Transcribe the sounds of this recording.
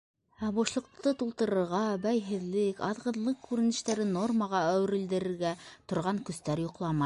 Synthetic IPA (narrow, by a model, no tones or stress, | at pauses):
æbɑʃlˠɤ̆q̚t̪ɤt̪ulˠt̪ɤ̆ɾɤ̆ɾʁɑbæjɦɘ̆ðlɘkɑðʁɤ̆ðlˠɤq̚kːʉɾɘ̆nɘ̆ʃt̪æɾɘno̞rməʁɑæw̆ɾɘ̆ld̪ɘ̆ɾɘ̆ɾɡæt̪ŏɾʁɑŋkɵ̆st̪æɾjŏqlˠɑmɑj